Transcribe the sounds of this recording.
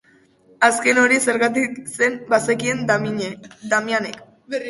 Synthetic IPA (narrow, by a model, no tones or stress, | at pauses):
aske̞no̞ɾise̞ɾɣat̪ikse̞mbasekie̞n | d̪amjanek